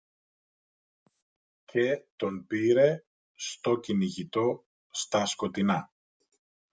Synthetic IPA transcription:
cʰe̞t̪o̞npiɾe̞ | st̪o̞ciniʝit̪o̞ | st̪ɐsko̞t̪inɐ

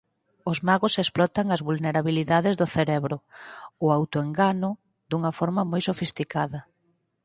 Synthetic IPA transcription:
ʊzmaɣʊsesplɔt̪aŋɐzβulneɾaβiliðaðɪzðʊθeɾɛβɾʊʊawt̪ʊeŋɡanʊ | d̪uŋɐfɔɾmɐmojsofist̪ikaðɐ

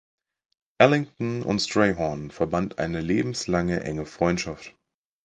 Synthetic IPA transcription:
ʔɛlɪŋtn̩ʊ̰ntstʁ̥eɪɦɔnfɛɐbantʔa̰ɪnəleːbm̩slaŋəʔɛ̰ŋəfʁ̥ɔʏntʃaft

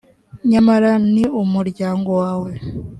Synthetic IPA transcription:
ɲamaɾaniumuɾɟaːŋɡo̞waːwe̞

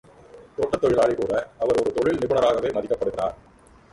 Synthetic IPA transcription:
t̪oːʈːɐt̪ːɔɻɪlaːɭɪkuːɽɐɐʋɐɾɔɾɯt̪ɔɻɪlnɪbɯɳɐɾaːɣɐʋeːmɐðɪkːɐpːɐɽɯɣɪra̰ːɾ

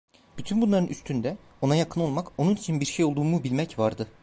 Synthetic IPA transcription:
b̥yt̪ʰynbunlˠaɾɯnyst̪ʰynd̪ɛ | o̞najakʰɯno̞lˠmako̞nunit͡ʃʰinbiɾʃejo̞lˠd̪uːmubilʲmɛcvaɾd̪ɯ

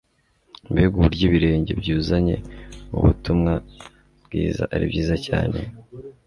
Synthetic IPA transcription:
iβihuɡuuɾɟiβiɾe̞ːɲɟe̞̰bɟuːzaɲe̞̰ṵβutumŋa | bɡiːza̰ʔaɾibɟiːzacaːne̞̰

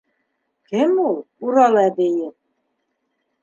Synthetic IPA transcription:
kɘmulˠuɾɑlˠæd̪ɘjɘp̚

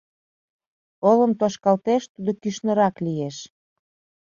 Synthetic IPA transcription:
oləmt̪oʃkɑlt̪eʃt̪ud̪okyʃnə̆ɾɑklijeʃ

